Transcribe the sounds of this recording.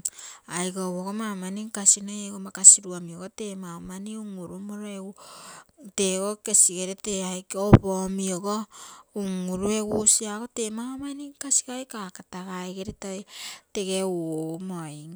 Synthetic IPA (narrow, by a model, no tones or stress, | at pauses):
ajkoβoɡomamaniŋkasinojeɡomakasiɾuamioɡote̞maomaniuŋuɾumoɾoeu | teɡoke̞siɡeɾeteajkobomioɡouŋuɾueɡusiaɡo̞te̞maomaniŋkasi̥kajkakataɡaeɡeɾetojte̞ɡe̞wmojŋ